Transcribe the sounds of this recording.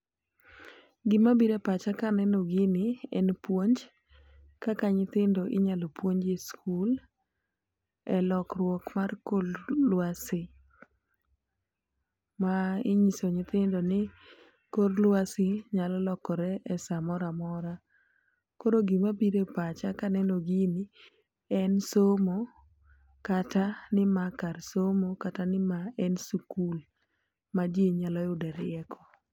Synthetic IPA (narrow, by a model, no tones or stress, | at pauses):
ɡɪmabiɾepat͡ʃakanɛnoɡɪnɪɛnpwoɲd͡ʒ | kakaɲɪt̪ɪndoʔɪɲalopwoɲd͡ʒeskʰul | ɛlɔkrwɔkmarkollwasɪ | maɪɲisoɲɪt̪ɪndonɪ | koɾlwasɪɲalɔlɔkɔɾɛʔɛsamɔɾamɔɾa | koɾoɡimapiɾepat͡ʃakanɛnoɡini | ɛnsomo | katanɪmakarsomokatanɪmaɛnsukul | mad͡ʒeɲalɔʊdɛɾɪɛkʰɔ